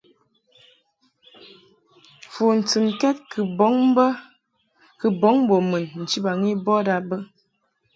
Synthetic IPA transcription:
fu˨n̩˨t͡sɨ˨mkɛ˦t̚kbɔ˨˦ŋbə˦ | kɨ˨bɔ˨˦ŋ˦bo˨mə˨nn̩˨t͡ʃi˦ba˨ŋi˦bɔ˦da˨bə˦

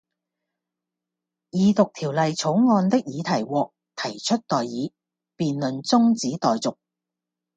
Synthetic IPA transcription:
jiː˨˧t̪ʊ˨k̚t̪ʰiː˨˩wlɐ˨jt͡sʰʊ˨˥wŋɔː˧nt̪ɪ˥k̚jiː˨˧t̪ʰɐ˨˩jwɔː˨k̚ | t̪ʰɐ˨˩jt͡ʃʰɵ˥t̚t̪ɔː˨jːiː˨˧ | piː˨nlɵ˨nt͡sʊ˥ŋt͡siː˨˥t̪ɔː˨jt͡sʊ˨k̚

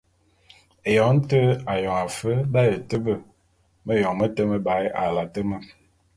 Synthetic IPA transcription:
e˨jɔ˨n̩˦tə˦a˨jɔ˨ŋa˨fə˦da˦jə˨tə˦bə˦˨ | mə˦jɔ˨ŋmə˦tə˦mə˦ba˨˦ja̰˨la˨tə˦mə˦

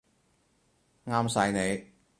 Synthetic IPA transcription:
ŋaː˥msɐ˧jne˨˧j

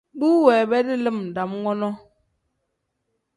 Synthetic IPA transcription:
ɗuː˦wɛː˨bɛ˦di˦lɨ˦˨mn̩˨da˨mŋɔ˦nɔ˦

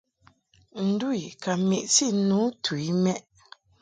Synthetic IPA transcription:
n̩˨du˦i˨ka˨mi˨ʔsi˦˨˦nu˨˦tʰu˨i˦mɛ˦ʔ

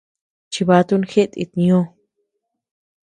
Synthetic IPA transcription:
t͡ʃi˧βa˧˦t̪u˦˧nxe˦ʔt̪ʼḭ˧t̪nĩ˧õ˦˧

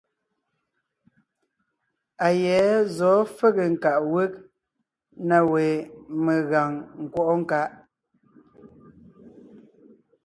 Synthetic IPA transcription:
a˨jɛ˨˦zɔː˨˦fə˦ɣə˨ŋ̩˨ka˨ʔwe˦k̚ | na˨we˨me˨ɣa˨ŋŋ̩˨kwɔ˦ʔɔ˦ŋ̩˦˨ka˦ʔ

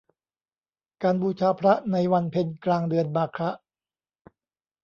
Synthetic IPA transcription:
kaː˧nbuː˧t͡ɕʰaː˧pʰɾa˦˥ʔna˧jwa˧npʰe˧nklaː˧ŋdɯ˧ənbaː˧kʰɾa˦˥ʔ

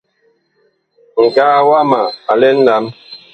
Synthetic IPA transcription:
ŋ̩˨ka˦˨wa˦ma˨a˨lɛ˦n̩˦la˨˦m

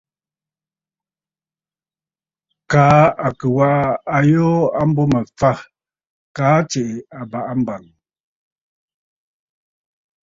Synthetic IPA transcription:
kaː˨˦a˨kʉ˨wa˦ʔa˦a˨jɔː˦a˦m̩˦bɔ˦mə˨fa˦˨ | kaː˨˦t͡ʃe˨ʔe˨a˨ba˨ʔa˦m̩˦ba˨ŋ

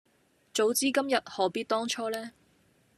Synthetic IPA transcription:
t͡so˨˥wt͡siː˥kɐ˥mjɐ˨t̚hɔː˨˥piː˥t̚t̪ɔː˥ŋt͡ʃʰɔː˥lɛː˥

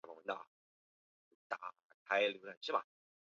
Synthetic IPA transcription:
m˧˩wə˧˥nt̪ɑ̰˨˩˧ | t̪a˨˩ | kʰa˧˥ɪljo˧˥ʈ͡ʂʰə˨˩ʂɻ̩˥˩bɐ̰˨˩

